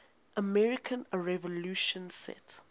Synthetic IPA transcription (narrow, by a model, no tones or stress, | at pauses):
ʔəmɛɹikʰə̃nɹɛvɔluʃɔ̃nsɛ̰t